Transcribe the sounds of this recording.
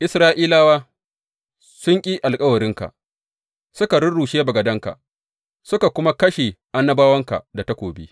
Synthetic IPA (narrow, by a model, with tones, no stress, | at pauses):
ʔɪ˦sɾaː˦ʔiː˦laː˦waː˦ | sʊ˦ŋkʲʼiː˦ʔa˨lkʼɐ˦wɐ˨ɾɪ˦ŋka̰˨ʔ | sʊ˦ka˨ɽʊ˦ɽuː˨ʃeː˦bɐ˨ɡɐ˨dɐ˦ŋka̰˨ | sʊ˦ka˨kʷʊ˦ma˦kɐ˦ʃe˨ʔa˦nːɐ˦baː˦wɐ˦ŋka̰˨da˨ta˦kʷoː˨bḭː˦